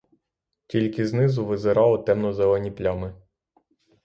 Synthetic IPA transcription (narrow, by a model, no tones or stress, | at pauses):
tʲilʲkɪznɪzʊʋɪzeɾʔɑlˠɔt̪ɛmnɔzɛlˠɛnʲiplʲɑmɪ